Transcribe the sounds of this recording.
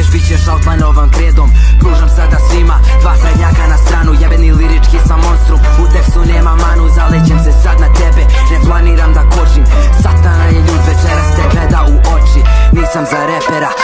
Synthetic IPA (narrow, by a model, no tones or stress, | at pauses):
eʃbit͡ɕeʃot̪lˠanoʋamkɾeːd̪om | pɾuːʒamsad̪asʋima | t̪ʋakaeɲakanast̪ɾaːnujebeniliɾit͡ʃkisamo̞nst̪ɾum | ut̪eksune̞ːmamanuzalet͡ɕemsesad̪nat̪ebenep̪lˠaniːɾamd̪akot͡ʃimsat̪anajeʎuːd̪ʋet͡ʃeɾast̪eɡled̪auʔo̞t͡ʃiniɾsamzaɾepeɾa